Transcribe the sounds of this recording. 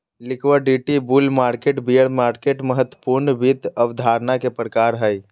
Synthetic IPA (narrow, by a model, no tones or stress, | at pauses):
likʰwəɖiʈibulmaɾkeʈbijəɽmaːɾkeʈməɦət̪wə̥puɾnəbit̪əʋd̪ʱaɾnakepɾəkaɾɦəj